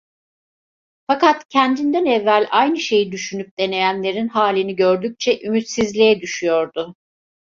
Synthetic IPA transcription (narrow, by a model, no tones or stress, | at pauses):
fakat̪cʰænd̪ind̪ænɛvːælʲajnɯʃe̞jid̪yʃynyp̚d̪e̞ne̞jænlʲe̞ɾinhaːlʲiniɟø̞ɾd̪yc̚t͡ʃʰɛʔymyt̪sizlʲijɛd̪yʃyjo̞ɾd̪ʊ